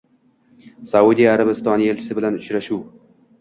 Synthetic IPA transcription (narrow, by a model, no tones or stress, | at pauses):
sawud̪ijaɾabɪst̪ɒnije̞lt͡ʃʰɪ̥sɪbɪlanʊt͡ʃɾaʃuw